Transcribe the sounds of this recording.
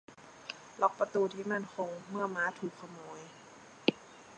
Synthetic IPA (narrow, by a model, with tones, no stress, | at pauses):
lɔ˨˩k̚pa˧t̪uː˧˩t̪ʰiː˧˩ma˧˥˨nkʰo˧ŋmɯ˧˥˩ɐmaː˧˦˥t̪ʰuː˨˩kʰːa˧mɔː˧˦j